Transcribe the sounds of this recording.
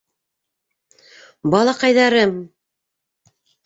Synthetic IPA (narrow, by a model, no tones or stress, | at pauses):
bɑlˠɑqɑjðɑɾɤm